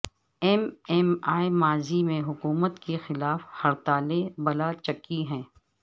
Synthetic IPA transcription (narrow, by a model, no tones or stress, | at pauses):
ɛmɛmaːimaːzimẽɦʊkuːmət̪kexɪlaːfhɐɾt̪aːlebɐlat͡ʃɐkːiɦɛ̃ː